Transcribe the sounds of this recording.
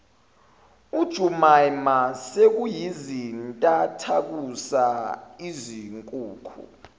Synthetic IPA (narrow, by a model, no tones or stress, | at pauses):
ud̥ʒ̥ʱumajmasek̬ujizintʼatʰak̬usaiziŋkʼuːkʰṵ